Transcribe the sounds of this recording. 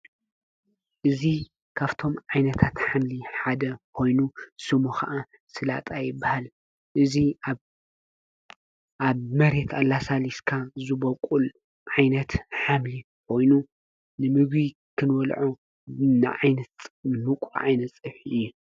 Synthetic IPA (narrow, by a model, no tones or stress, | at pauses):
ʔɨzi | kʰaβt̪ʰo̞mʕajnɐt̪ʰat̪ħamliħad̪ɐkʰo̞jnusɨmuxaʔa | sɨla̰t̪ʼajɪbːahal | ʔɨzi | ʔaβmɐɾe̞t̪ʰalasaliskʰazɨbɐkʼul | ʕajnɐt̪ħamli | kʰo̞jnu | nɨmɨɡβi | kʰɨnwɔlʕo | nɨ̰ʕajnɐt̪mɨkʼuʕajnɐt̪t͡sʼɨħiɨjːu